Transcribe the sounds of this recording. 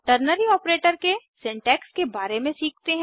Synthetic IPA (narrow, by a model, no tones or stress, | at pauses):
ʈəɾnəɾiɔːpɾeːʈəɾkesɪ̃ɳʈɛːkskebaːɾemẽsiːk̚t̪eɦɛ̃